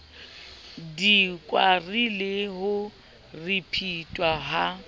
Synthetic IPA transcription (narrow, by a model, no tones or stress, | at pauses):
dikʼwarileɦʊ | ripʰitʼwaɦa